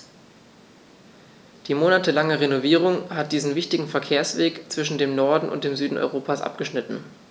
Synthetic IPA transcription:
d̥iːmoːnatəlaŋəʁenoviːʁ̞ʊŋhat̚d̥iːzn̩vɪçtɪɡŋ̩fɛɐkʰeːɐsv̥eːkt͡sv̥ɪʃ̬n̩deːmnɔɐdn̩ʔʊ̰nt̚d̥eːmzyːdn̩ʔɔ̰ʏʁoːpʰasʔa̰p̚ɡ̥əʃnɪtn̩

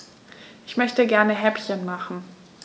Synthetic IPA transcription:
ʔɪçmœçtəɡɛɐnəɦɛpçənmaχn̩

